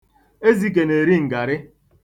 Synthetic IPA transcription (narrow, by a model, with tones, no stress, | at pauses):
e˦zi˦k̬e˨ne˨ɾi˦ŋ̩˨ɡa˨ɾɪ˦